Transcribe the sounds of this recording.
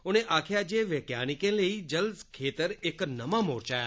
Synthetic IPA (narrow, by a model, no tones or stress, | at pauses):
oneʔakʰjad͡ʒeʋekja̰nikẽləid͡ʒəlskʰet̪əɾeknəmãmoɾt͡ʃaja